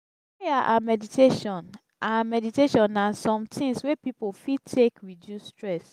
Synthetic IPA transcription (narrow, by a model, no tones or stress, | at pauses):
iaʔamɛditʰeʃɔ̃n | ʔamɛditeʃɔ̃nãnsɔ̃mtʰĩŋswepipofitʰekwidjustɹɛs